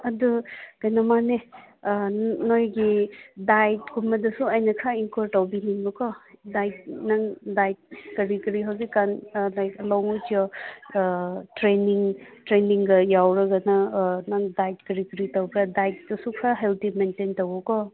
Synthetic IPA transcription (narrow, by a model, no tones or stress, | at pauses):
ɐduɡɐjnɐmane | nojɡidajt̚ɡumɐdɐsuɐjnɐkʰaiŋkoɾtawbiniŋbɐkʰɔdajt̚naŋdajt̚kɐɾikɾiɦawzikːanlajklɔŋujtijɔ | tɾeniŋtɾeniŋɡɐjawɾɐɡɐnɐnaŋdajt̚kɐɾikɐɾitawbɾadajt̚dɐsukʰaɦeltʰimententɐwɐkɔ